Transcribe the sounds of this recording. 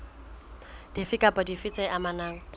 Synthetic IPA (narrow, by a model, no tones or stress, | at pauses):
d̥ifɪkʼapʼɔdifɪt͡sʼɛʔamanaːŋ̩